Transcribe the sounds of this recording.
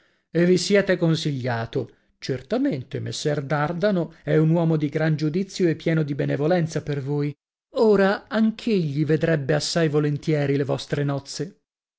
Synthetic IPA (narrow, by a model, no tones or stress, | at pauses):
evːisjɛːt̪ekonsiʎːaːt̪o | t͡ʃert̪ament̪emesːɛrd̪ard̪anoɛunwɔːmod̪iɡɾand͡ʒud̪it̪sːjoepːjɛːnod̪ibenevolɛnt̪sapervoːj | oːɾaaŋk̟ʰeʎːived̪ɾɛbːeasːajvolent̪jɛːɾilevɔst̪ɾenɔt̪sːe